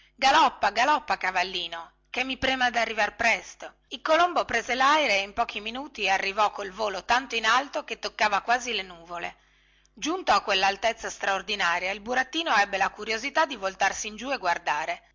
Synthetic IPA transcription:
ɡalɔpːaɡalɔpːakavalːiːno | kemːipɾeːmad̪arːivarpɾɛst̪o | ilkolombopɾeːzelajɾeeimpɔːk̟iminuːt̪iearːivɔkːolvoːlot̪ant̪oinalt̪oket̪ːokːaːvakwaːzilenuːvolḛ | d͡ʒunt̪oakːwelːalt̪et̪sːast̪ɾaord̪inaːɾjailbuɾat̪ːiːnoɛbːelakuɾjozit̪ad̪ːivolt̪arsiːnd͡ʒueɡward̪aːɾe

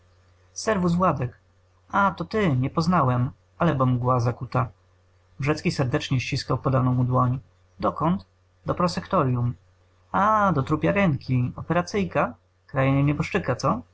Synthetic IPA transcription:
sɛɾvuzvwad̪ɛk | at̪ɔt̪ɘɲɛpɔznawɛm | alɛbɔmuɡwazakut̪a | bʐɛt̪skʲisɛɾd̪ɛt͡ʂɲɛɕt͡ɕiskawpɔd̪anɔ̃w̃ud̪wɔɲ | d̪ɔkɔnt̪ | d̪ɔpɾɔsɛkt̪ɔɾjum | ad̪ɔt̪ɾupʲjaɾɛŋkʲiɔpɛɾat̪sɘjka | kɾajɛɲɛɲɛbɔʂt͡ʂɘkat̪sɔ

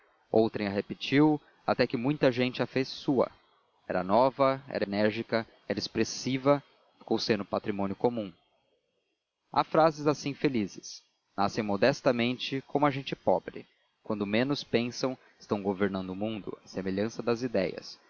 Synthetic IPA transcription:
owt̪ɾẽj̃ɐɦepɪt͡ʃiw | at̪ɛkɪmũj̃t̪ɐʒẽnt͡ʃɪafesːuɐ̰ | ɛ̰ɾɐnɔvɐɛ̰ɾenɛɾʒikɐ | ɛɾɐespɾesivɐ | kõwsẽnd̪ʊpat̪ɾimõnjʊkomũ | a̰fɾazɪzasĩfelizɪs | nasẽj̃mod̪ɛst̪ɐmẽnt͡ʃɪkõmʊɐʒẽnt͡ʃɪpɔbɾɪ | kwɐ̃nd̪ʊmẽnʊspẽsɐ̃w̃ | ɪ̥st̪ɐ̃w̃ɡoveɾnɐ̃nd̪ʊmũnd̪ʊ̰ɐsemeʎɐ̃sɐd̪ɐzid̪ɛjɐ̰s

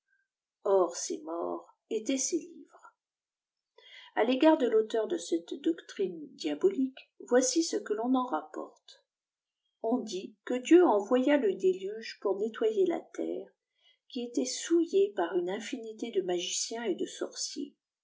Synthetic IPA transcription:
ɔʁsḛmɔ̰ʁ | et̪ɛselḭvʁ | aleɡaʁd̪əlot̪œʁd̪əsɛt̪d̪ɔkt̪χind̪jabɔlikvwasisəkəlɔ̃nɑ̃ʁapɔ̰ʁt̪ | ɔ̃d̪ikəd̪jøɑ̃vwajaləd̪elyʒpuʁnet̪wajela̰t̪ɛ̰ːʁ | kʲiet̪ɛsujepaʁynɛ̃finit̪ed̪əmaʒisjɛ̃ed̪əsɔ̰ʁsjḛ

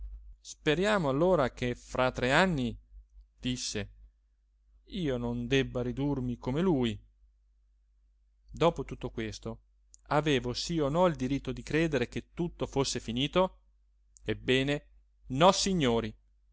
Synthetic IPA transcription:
speɾjaːmoalːoːɾak̟efɾʔat̪ːɾeanːid̪̥isːe | iːonond̪ɛbːaɾid̪urmikomeluːj | d̪ɔːpot̪ut̪ːokwest̪o | aveːvosionɔild̪iɾit̪ːod̪ikɾeːd̪eɾek̟et̪ːut̪ːofosːefiniːt̪o | ebːɛːne | nɔsiɲːoːɾi

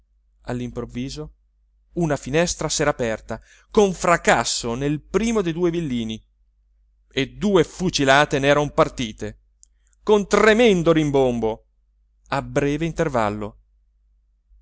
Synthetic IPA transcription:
alːimpɾovːiːzo | unafinɛst̪ɾasɛːɾaːpɛrt̪a | koɱfɾakasːonelpɾiːmod̪ejd̪uːevilːiːni | ed̪uːefut͡ʃilaːt̪enɛːɾampart̪iːt̪e | kont̪remɛnd̪oɾimbombo | abɾɛːveint̪erva̰lːo̰

